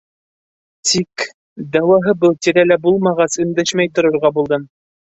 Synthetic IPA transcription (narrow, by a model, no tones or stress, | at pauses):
t̪ʰik | d̪æwɑɦɤbɤlˠt̪iɾælæbulˠmɑʁɑsɵ̆nd̪æʃmæjt̪ŏɾŏɾʁɑbulˠd̪ɤm